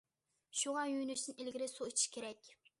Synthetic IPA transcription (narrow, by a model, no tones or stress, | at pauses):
ʃuʁɑjynyʃɪnelɡʲɪɾɪsoit͡ʃʰi̥ʃkʲʰeɾɛkʲ